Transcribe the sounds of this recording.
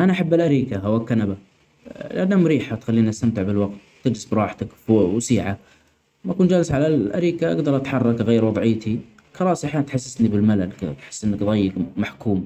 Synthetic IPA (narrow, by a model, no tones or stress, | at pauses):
ʔanaʔaħabːalʔaɾiːkaɦawakːanaba | lʔanːamʊɾiːħat̪xalːiːniʔast̪amt̪ɪʕbɪlwaɡ̚t̪ːɪd͡ʒlɪsbɾˤɑːħt̪akwsiːʕa | makuːnd͡ʒaːlɪsʕalalʔaɾiːkaʔa̰ɡd̪ɑɾˤʔat̪ħɑrˤːɑkɣeːɾwɑðˤʕɪːt̪ʰi | xɑɾˤɑːʔsiʔaħjaːnt̪ħasːɪsnibɪlmalalkt̪ħɪ̥sːʔɪnːakðˤɑjːɪkmaħkuːm